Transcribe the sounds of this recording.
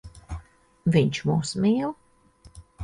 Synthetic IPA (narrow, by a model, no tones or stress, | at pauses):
viɲʲt͡ʃmuːsmiːl